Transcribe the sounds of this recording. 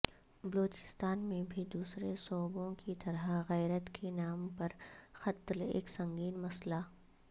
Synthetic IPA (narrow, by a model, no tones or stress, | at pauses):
bɐloːt͡ʃɪ̥st̪aːnmẽbʱid̪uːsɾesɔːbõkit̪ɐɾaɣɛːɾət̪kʰenaːmpɐɾxɐt̪lḛːksɐ̃ŋɡiːnmɐsla